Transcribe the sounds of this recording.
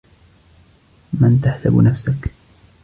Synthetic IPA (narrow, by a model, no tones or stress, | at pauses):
mant̪aħsabnafsak